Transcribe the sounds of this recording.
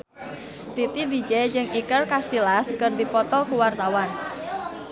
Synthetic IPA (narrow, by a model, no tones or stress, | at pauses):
t̪it̪id̪id͡ʒɛd͡ʒɨŋikərkasilaskɨrd̪ipɔt̪ɔlkuwart̪awan